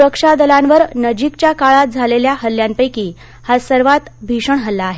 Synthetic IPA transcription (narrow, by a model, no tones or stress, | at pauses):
ɾəkʂad̪əlãnʋəɾnəd͡ʑikt͡ɕjakaɭat̪̚d͡zʱaleljaɦəlːjampəjkiː | hasəɾʋat̪bʱiʂəɳɦəlːaːɦe